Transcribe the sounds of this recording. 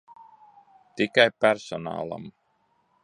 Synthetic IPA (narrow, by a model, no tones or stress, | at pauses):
t̪ikajpæɾsɔna̰ːlˠa̰m